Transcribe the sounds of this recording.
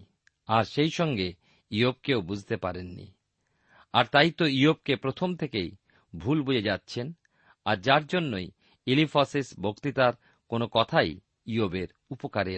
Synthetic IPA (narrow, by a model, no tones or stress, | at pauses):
aɾʃejʃɔŋɡe | iob̚keobud͡ʑʱt̪epaɾenːḭ | aɾt̪ajt̪oiob̚kepɾot̪ʰomt̪ʰekej | bʱulbud͡ʑed͡ʑatːɕʰen | aɾd͡ʑaɾd͡ʑonːoj | ilifasisbʱokt̪it̪aɾ | konokɔt̪ʰaj | iobeɾ | upokaɾe